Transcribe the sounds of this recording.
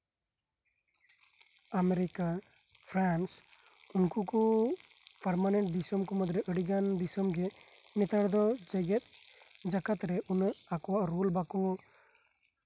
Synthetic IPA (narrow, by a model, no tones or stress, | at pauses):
ameɾika | pʰɾansunkuku | paɾmanɛɳʈ̚ɖisəmkɔmɔd̪ɾɛʔəɽiɡanɖisɔmɡɛnɛt̪aɽd̪ɔd͡ʒɛɡɛt̪̚ˀd͡ʒakat̪ɾɛʔunakɔwaʔɾulbakɔ